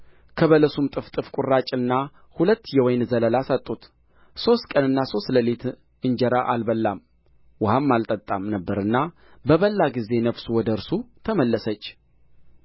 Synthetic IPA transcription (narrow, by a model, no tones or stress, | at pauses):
kʰəβələsumt̪ʼɨft̪ʼɨfkʼurːat͡ʃʼɨnːa | hulət̪ːjɛwɔjnzələlasət̪ʼːut̪ | so̞st̪kʼənɨnːaso̞st̪ləlet̪ | ɨɲd͡ʒɛɾaʔalbəlːam | wʊhamːalt̪ʼət̪ʼːamnəbːəɾɨnːa | bəβəlːaɡize̞nəfsuwɔd̪əɾsut̪ʰəməlːəsət͡ʃː